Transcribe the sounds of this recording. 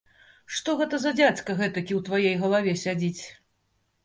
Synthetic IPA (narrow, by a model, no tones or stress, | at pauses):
ʂt̪ɔɣɛt̪ɐzɐd͡zʲat͡skɐɣɛt̪ɐkʲiwt̪vajɛjɣɐlˠavʲɛsʲad͡zʲit͡sʲ